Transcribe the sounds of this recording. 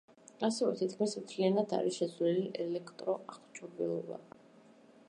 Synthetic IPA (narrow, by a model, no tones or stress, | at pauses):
asɛvɛt̪ʰit̪kʰmismt̪ʰlianad̪a̰ɾisʃɛzliliʔɛlɛkʰt̪ʼɾɔʔaχt͡ʃʰɔbɛlˠɔba̰